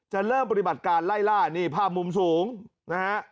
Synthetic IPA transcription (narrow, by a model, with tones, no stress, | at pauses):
t͡ɕa˨˩ɾɤː˥˩mpa˧t̪i˨˩ba˨˩t̪̚kaː˧nla˥˩jlaː˥˩niː˥˩pʰaː˥˩p̚mu˧ms̬uː˩˦ŋ | na˦˥ha˦˥ʔ